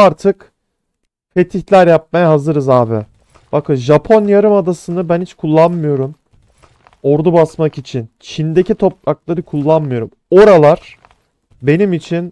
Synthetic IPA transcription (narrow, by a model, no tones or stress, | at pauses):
aɾt̪ʰɯk | fe̞t̪ʰiçlʲæɾjap̚majaɦazɯɾɯzaːbɪ | b̥akɯʒapʰo̞njaɾɯmad̪asɯnɯbænhit͡ʃkʰulˠːanmɯjo̞ɾum | o̞ɾd̪ubasmakit͡ʃʰint͡ʃʰind̪e̞cit̪ʰo̞pɾaklˠaɾɯkʰulˠːanmɯjo̞ɾum | o̞ɾalˠaɾ̥ | be̞nimit͡ʃʰin